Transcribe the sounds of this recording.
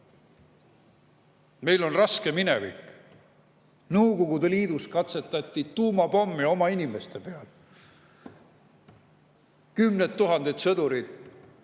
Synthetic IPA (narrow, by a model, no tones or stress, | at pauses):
me̞jlo̞nrɑske̞minevḭk | nɤwko̞ɡud̪eliːd̪̥uskɑt̪se̞t̪ːˑɑt̪ʲːit̪uːmɑpomːio̞mɑinime̞st̪e̞pe̞ɑl | kymnet̪ːuɦɑnd̪̥et̪sɤd̪uɾid̪̥